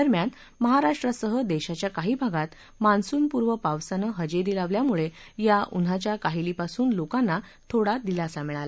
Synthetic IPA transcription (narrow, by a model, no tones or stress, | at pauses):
əɾmjan | məɦaɾaʂʈɾəsəɦəd̪eɕat͡ɕjakaɦiːbʱaɡat̪ | mansuːnpuɾʋəpaʋsanəɦəd͡ʑeɾiːlaʋljamuɭejaʔun̤at͡ɕjakaɦiliːpasuːnlokanːat̪ʰoɽad̪ilasamiɭala